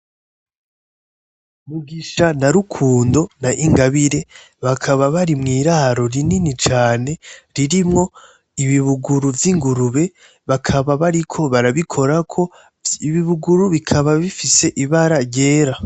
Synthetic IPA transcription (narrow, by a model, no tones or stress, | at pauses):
muɡiʃanaɾukʰuːndo̞naʔiŋɡaβiɾe̞ | βakʰaβaβaɾimŋiːɾaɾo̞ɾininit͡ʃaːne̞ɾiɾimŋo̞ | iβiβuɡuɾuvjiŋɡuɾuβe̞ | βakʰaβaβaɾikʰo̞βaɾaβikʰo̞ɾakʰo̞ | iβiβuɡuɾuβikʰaβaβifise̞ʔiβaɾaɾje̞ːɾa